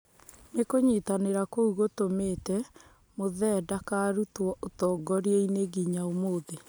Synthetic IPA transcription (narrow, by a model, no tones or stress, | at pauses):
nekoɲitaneɾakouɣotometɛ | moðɛdakaɾutwɔʔotɔːɡɔɾiɛineɡiɲaomoːðe